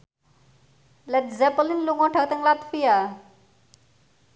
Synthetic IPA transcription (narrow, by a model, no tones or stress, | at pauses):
lɛtzɛpəlinluŋɔ̃ʈʰək̚t̪əŋlat̪fija